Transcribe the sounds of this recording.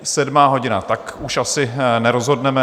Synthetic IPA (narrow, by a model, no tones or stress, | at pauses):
sɛdmaːɦo̞ɟɪnat̪akuʃʔasɪnɛɾo̞zɦo̞dnɛmɛ